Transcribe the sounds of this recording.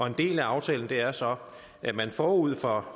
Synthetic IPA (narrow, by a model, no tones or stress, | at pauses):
ɒ̽e̝nd̥e̝̰ːlæɑ̈ʊt͡sʰɛ̰ːln̩d̥e̝æɐsɒ̽ | ʔæmænfɒ̰ːuð̞̰ˠfɒ̽